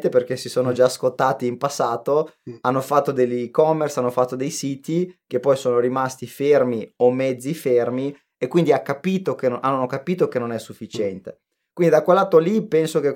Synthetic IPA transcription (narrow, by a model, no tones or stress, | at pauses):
t̪eperk̟esisoːnod͡ʒaskot̪ːaːt̪iːmpasːaːt̪oanːofat̪ːod̪elːikɔmːersanːofat̪ːod̪ejsiːt̪ikepːɔjsoːnoɾimast̪ifermiomːɛd̪zːifermi | ekːwind̪iakːapiːt̪okenannːokapiːt̪okenonɛsːufːit͡ʃɛnt̪e | kwind̪id̪akwelːaːt̪ːolipɛnsok̟e